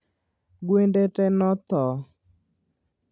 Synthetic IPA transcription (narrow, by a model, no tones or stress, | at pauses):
ɡwendetɛnɔt̪ɔ